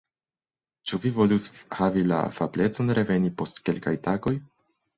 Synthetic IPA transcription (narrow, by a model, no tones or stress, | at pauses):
t͡ʃuvivo̞lushavila̰fable̞t͡so̞nɾe̞ve̞nipo̞stke̞lka̰jtaɡo̞j